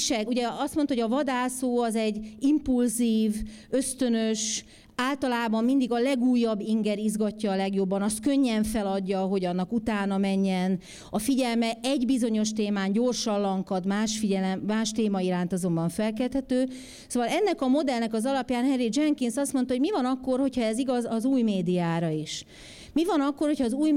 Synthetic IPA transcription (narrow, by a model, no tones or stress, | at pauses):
ʃɛuɟɛɒst̪mo̞nt̪ɒɦoɒvɒd̪aːsoːɒzɛɟːimpulziːv | ø̞st̪ønøʃ | aːlt̪ɒlaːbɒmmind̪iɡɒlɛɡuːjːɒbːiŋɡɛɾizɡɒcːɒːlɛɡjo̞bːɒnɒst̪̚køɲːɛɱfɛlɒɟːɒɦo̞ɟɒnːɒkut̪aːnɒmɛɲːɛn | ɒfiɟɛlmɛɛɟbizo̞ɲo̞ʃt̪eːmaːɲɟo̞rʃɒllɒŋkɒd̪maːʃfiɟɛlɛːaːʃt̪eːmɒiɾaːnt̪ɒzo̞mbɒɱfɛlkɛlt̪hɛt̪øː | soːvɒlɛnːɛkɒmo̞d̪ɛlnɛkɒzɒlɒpjaːnhɛrid͡ʒɛŋkinsɒst̪mont̪ɒoɟmivɒnɒkːo̞rho̞cʰhɒɛziɡɒzɒzuːjmeːd̪ijaːɾɒiʃ | mivɒnɒkːo̞rho̞chɒːzuːj